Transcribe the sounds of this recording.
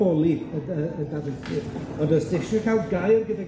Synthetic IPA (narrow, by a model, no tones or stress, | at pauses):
ɔlˠiəəəndadɪθɨd̥ | ɔndɔsd̥ɛʃɨkʰalˠɡajrɡəda